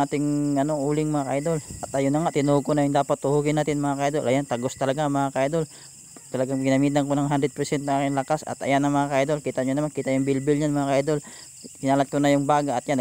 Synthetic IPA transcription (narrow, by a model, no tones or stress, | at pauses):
aːt̪ɪŋʔɐnoʔuːlɪŋmɐŋakɐʔajd̪o̞lʔɐt̪ʔɐjonɐŋat̪ɪnuhɡ̚konɐjʊŋd̪aːpat̪̚ːʊhuɡɪnaːt̪ɪnmɐŋakɐʔajd̪olʔɐjant̪aɡost̪ɐlɐɡamɐŋakɐʔajd̪ol | t̪ɐlɐɡaŋɡɪnɐmiːt̪ɐŋkonɐŋɦand̪ɾɛd̪̚pɛɾsɛnt̪naŋaːkɪnlɐkasɐ̰t̪ʔɐ̰janɐmɐŋakɐajd̪olkiːt̪aʔɲʊnɐmankiːt̪ajʊŋbɪlbɪlɲanmɐŋakɐajd̪ol | kɪnaːlat̪̚konɐjʊŋbaːɡaʔːt̪̚jan